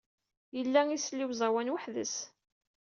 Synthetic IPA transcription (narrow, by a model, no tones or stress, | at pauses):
jəlːæŋislːiwzˤɑwænwəħðəs